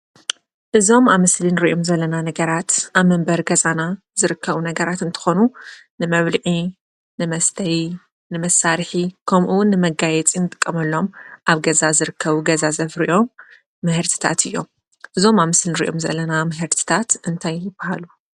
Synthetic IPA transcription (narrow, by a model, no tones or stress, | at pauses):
ʔɨzo̞maβmɨslinɨɾiʔomzɐlːɐnanɐɡɐɾat̪aβmɨmbɐɾɡɐzana | zɨɾɨkʰːɐβunɐɡɐɾat̪ɨnt̪ʰɨ̥xo̞nunɨmɐβlɨʕi | nɨmɐst̪ʰɐɾi | nɨmɐsːaɾħikʰɐmʔuwʊnːɨmɐɡajɛt͡sʼinɨt̪ʼɨ̥kʼːɐmɐlːo̞mʔaβɡɐzazɨɾɨkʰːɐβuɡɐzazɐfɾiʔo̞mː | ɨhɨɾt̪ʰi̥t̪ʰa̰t̪ʰɨjːo̞m | ʔɨzo̞maβmɨslinɨɾḭʔo̞mzɐ̰lːɐnamɨɦɨɾt̪ʰi̥t̪ʰat̪ɨnt̪ʰajːɪb̥ɐhalu